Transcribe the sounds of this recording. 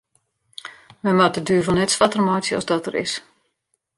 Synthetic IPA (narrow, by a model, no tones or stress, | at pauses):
mɛmadədyːvɔnɛtsʋatərmɔjtsjəɔ̰zdɔtərɪ̰s